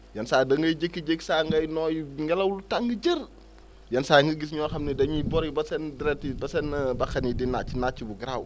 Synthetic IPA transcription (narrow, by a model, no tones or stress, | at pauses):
jɐnsaːjdɐŋɡɐjd͡ʒəkːiɟeksaːŋɡɐjnɔːjŋɡɐlɐwlutaŋɡəɟər | jɐnsaːjŋɡəɡisɲɔːxɐmnidɐɲibɔɾibɐsɛndɾɛtibɐsɛnbɐxɐnidinːat͡ʃinat͡ʃibuɡɾaw